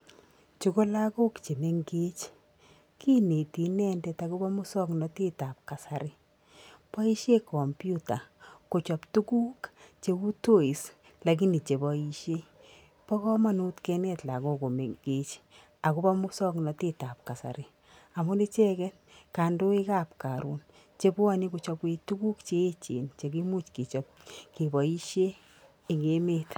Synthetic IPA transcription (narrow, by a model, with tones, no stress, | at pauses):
t͡ʃu˨ko˦la˦ko˦kt͡ʃe˨me˨ŋɡe˦t͡ʃ | kʰi˦ne˨ti˨nɛ˦ndɛ˦ta˦ku˦bɔ˦mʊ˦sɔ˦knɔ˨ti˦ta˨p̚ka˨sa˨ɾɪ˦ | pɔ˦i˦ʃe˦kʰɔ˨mpju˦ta˨ko˨t͡ʃɔ˨ptu˦ku˦kt͡ʃe˨u˦to˦˨i˨s | la˨k̬i˦ni˨t͡ʃe˨bɔ˨iʃe˦ | pɔ˦kɔ˦ma˦nu˦tkɛ˧nɛ˦tla˨ko˦ko˨me˨ke˦t͡ʃ | a˨ko˦ba˦mu˦sɔ˦knɔ˨te˦ta˨p̚ka˨sa̰˨ɾe˦ | a˨mu˦ni˦t͡ʃɛ˦kɛ˦t | ka˨ndo˦i˦ka˦p̚ka˨ɾu˦n | t͡ʃe˨˦bu˦a˦ni˦ku˨t͡ʃɔ˧pwe˧tu˦ku˦kt͡ʃe˦e˦t͡ʃḛ˨nt͡ʃe˨ki˦mu˦t͡ʃki˨t͡ʃɔ˨p̚ke˨bɔ˨i˦ʃjeː˦˨ | ŋɡe˦me˦t